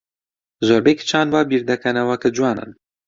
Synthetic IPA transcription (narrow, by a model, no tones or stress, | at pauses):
zoɾbekt͡ʃʰaːnwaːbiːɾd̪ɐkʰɐnɐwɐkʰɨd͡ʒuwɑːnɨ̰n